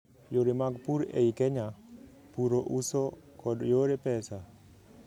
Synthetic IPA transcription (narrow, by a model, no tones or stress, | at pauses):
joɾemaɡpuɾḛikɛɲa | puɾoʔusɔ | kɔdjoɾepɛsa